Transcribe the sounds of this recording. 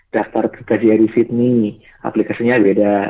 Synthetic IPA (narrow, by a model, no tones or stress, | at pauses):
d̥aft̪arp̪ə̥t̪ad͡ʒiaɾisit̪̚ni | a̰plikasiɲabeda